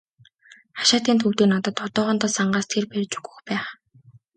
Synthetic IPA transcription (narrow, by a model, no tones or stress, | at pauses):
χḁʃaːt̪iːnt̪ʰuwt̪eːnɔt̪ɞ̆t̪ɔt̪ɔːʁɔ̆nt̪ɔːsaɴɢaːst̪ʰerpærʲt͡ɕu̥ɡŭ̥xpæːχ